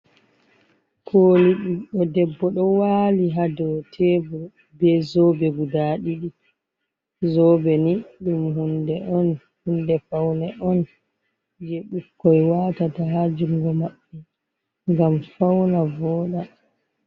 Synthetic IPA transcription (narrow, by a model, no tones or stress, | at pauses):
kʰoːliɗuɗɔdɛbːɔɗɔwaliɦadɔwtʰɛbɔ | bɛzɔbɛɡudaɗiɗi | zɔbɛniɗumhundɛʔɔn | hundɛfawnɛʔɔn | d͡ʒeɓukːɔjwaːtataɦad͡ʒuŋɡɔmaɓːɛ | ŋɡamfawnavɔːɗa